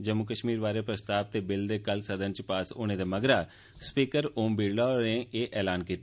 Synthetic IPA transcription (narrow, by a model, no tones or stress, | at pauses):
d͡ʒəmːukəʃmiːɾʋaːɾeːpɾəst̪aːb̚t̪eːbɪld̪eːkəlsəd̪ənt͡ʃpaːso̰ːneːd̪eːməɡɾaː | spiːkəɾoːmbiːɽlaɾẽeːʔɛːlaːnkiːt̪ː